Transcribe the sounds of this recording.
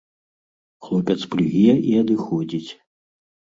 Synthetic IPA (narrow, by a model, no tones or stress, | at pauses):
xlˠɔpʲɐt̪splʲuɣʲiiɐd̪ɨxɔd͡zʲit͡sʲ